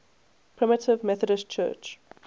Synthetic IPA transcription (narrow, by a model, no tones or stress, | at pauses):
pʰɹ̥ɪmətɪvmɛθədəst͡ʃʰɜ̰ːt͡ʃ